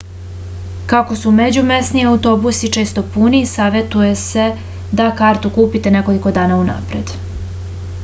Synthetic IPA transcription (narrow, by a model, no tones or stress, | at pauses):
kako̞sumed͡ʑumesniaut̪o̞busit͡ʃe̞ːst̪o̞punisaːʋjet̪uje̞se̞ | d̪akaːɾt̪ukuːpit̪e̞ne̞ko̞liko̞d̪aːnauna̰ːpɾed̪